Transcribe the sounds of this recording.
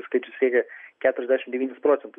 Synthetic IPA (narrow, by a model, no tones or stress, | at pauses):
skɐɪt͡ʃʲʊsʲɾʲiɛkʲɛkʲæːt̪ʊɾʲɛzʲd̪ʲæːʃʲɪmd̪ʲɛʋʲiːnʲɪspɾoːt̪sʲɛnt̪ʊ